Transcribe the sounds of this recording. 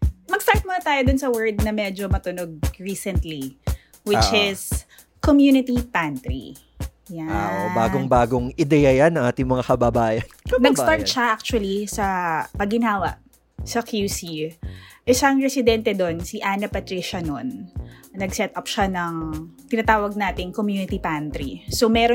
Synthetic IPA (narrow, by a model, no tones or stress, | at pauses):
mɐɡ̥̚st̪aɹt̪̚mʊnɐt̪aːjod̪ʊnsɐwɛɹd̪̚nɐmɛd͡ʒomɐt̪ʊnoɡ̚ɹiːsɛnt̪li | wɪt͡ʃɪs | komjunɪt̪ipant̪ɾḭ | jaaʔobaːɡoŋbaːɡoŋʔɪd̪ɛjɐjanːɐŋʔaːt̪ɪŋmɐŋakɐbabaːjɐnmɐɡst̪aɹt̪̚ʃaʔak̚t͡ʃʊwɐlisɐpɐɡɪnɦaːwɐ̰ʔ | sɐkjusi | ʔɛʃaʔɐŋɹɛsɪd̪ɛnt̪ɛd̪o̞nsiʔaːnɐpɐt̪ɾiʃɐnonnɐɡsɛt̪ʔɐpʃanɐŋt̪ɪnɐt̪aːwɐɡ̚naːt̪ɪŋkomjuːnɪt̪ipant̪ɾisomɛɾo